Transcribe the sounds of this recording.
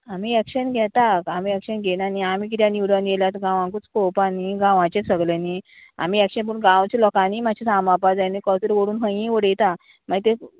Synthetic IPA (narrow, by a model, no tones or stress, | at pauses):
amiːɛkɕənɡʱɛt̪akamiːɛkɕənɡʱenaniamiːk̬it̪janiʋɽənɡeljat̪ɡãʋãŋkut͡skopaniːɡãʋãt͡ɕesəɡleni | a̰m̤iːɛkʂənp̬əɾunɡãʋt͡ɕelɔkaniːmaɕʰesamapad͡zajnikɔsəɾʋoɽuːnɦə̃jĩʋəɽejt̪a | maɡit̪e